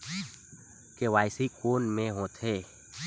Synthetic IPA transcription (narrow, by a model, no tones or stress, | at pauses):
keʋaːɪsikoːnmẽɦot̪ʰeː